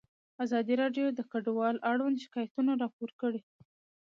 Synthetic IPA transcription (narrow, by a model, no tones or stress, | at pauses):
azɑd̪iɾɑɖjod̪əkaɖwɑlʔaɽwand̪ʃɪ̥kɑjat̪unaɾɑpoɾkəɽe